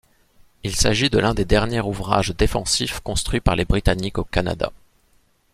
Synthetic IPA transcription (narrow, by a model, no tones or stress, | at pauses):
ilsaʒid̪əlɛ̃d̪ed̪ɛʁnjɛʁuvʁa̰ʒd̪efɑ̰̃sifkɔ̃st̪χɥipaʁlebʁit̪anikokana̰d̪a̰